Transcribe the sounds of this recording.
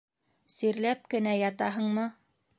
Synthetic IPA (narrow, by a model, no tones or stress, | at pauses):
siɾlæp̚kɘ̆næjɑt̪ɑɦɤɴmɤ